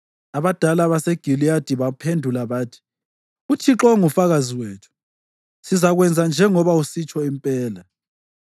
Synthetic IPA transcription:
aβad̥ʱalaβaseɡ̥ʱilijad̥ʱiβapʰendʱulaβaːtʰi̥ | utʰiǁɔŋufaɣaziweːtʰu̥ | sizaɣwɛnd͡zʱand͡ʒʱɛŋɔβausit͡ʃʼɔimpʼɛːla

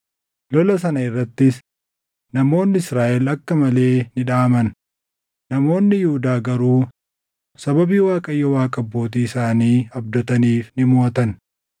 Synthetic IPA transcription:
lɔlɐsɐnɐɪrːɐt̪ːɪs | nɐmo̞ːnːɪɪsɾaːʔɛlɐkːɐmɐle̞ːnɪᶑaːmɐn | nɐmo̞ːnːɪjʊhʊd̪aːɡɐɾuː | sɐbɐbiːwaːkʼɐjːɔwaːkʼɐbːo̞ːt̪̬iːɪsaːniːɐb̚d̪ɔt̪ɐniːfnɪmo̞ːt̪ɐn

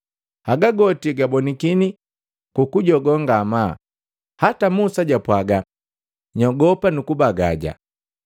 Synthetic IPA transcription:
haɡaɡɔtiɡabɔnikini | kukuɟɔɡɔŋɡama | hatamusaɟapwaɡa | ɲɔɡɔpanukubaɡaɟa̰

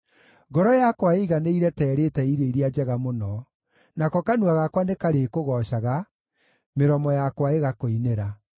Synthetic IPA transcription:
ɡɔɾɔjakwaeɣaneiɾɛtɛːɾetɛiɾeiɾiad͡ʒɛɣamonɔ | nakɔkanuaɣakwanekaɾekoɣɔɕaɣa | meɾɔmɔjakwaeɣakoineɾa

